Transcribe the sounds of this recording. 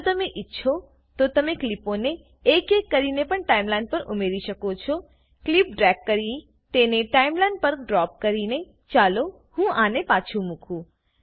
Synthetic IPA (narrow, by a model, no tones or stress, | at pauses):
t̪əmeʔɪtːʃʰo | t̪ot̪əmekliponeː | kekːəɾinepəɳʈaimlãɳɖ̚pəɾʔumeɾiʃəkot͡ʃʰo | klip̚ɖɾɛkːəɾi | t̪eneʈaimlaɳɖ̚pəɾɖɾɔp̚kəɾine | t͡ʃalo | hũʔanepat͡ʃʰũmukʰũ